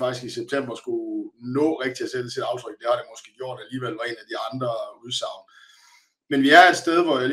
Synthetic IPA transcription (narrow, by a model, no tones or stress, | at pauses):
fɑ̈ɡ̥isɡ̥iseb̥̚t͡sʰem̰b̥ɐsɡ̥unɔ̰̽ːʁeɡ̥̚d̥iæsed̥əsʰed̥ɑ̈ʊt͡sʰʁœɡ̥̚d̥e̝hɑ̈d̥emɒ̽sɡ̥e̝̰ːɡ̥jo̝ɐ̰d̥æliːʋel̰ʋɑ̈e̝næd̥iɑ̈nd̥ʁɐuðˠsɑ̈ʊn̩ | menʋiæɐed̥sd̥eð̞ˠʋɒjal